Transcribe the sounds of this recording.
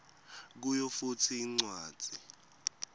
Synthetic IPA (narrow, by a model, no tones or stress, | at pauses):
k̬ujɔfutʰiːŋ͡ǀwḁːi